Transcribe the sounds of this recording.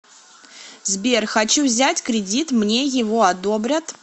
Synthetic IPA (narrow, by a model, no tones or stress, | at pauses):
zbʲerxɐt͡ɕuvzʲætʲkɾʲɪdʲit̪mnʲe̞jɪvoɐd̪o̞bɾʲət̪